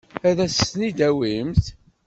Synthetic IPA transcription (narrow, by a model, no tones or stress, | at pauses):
æðæsnid̪æwimt̪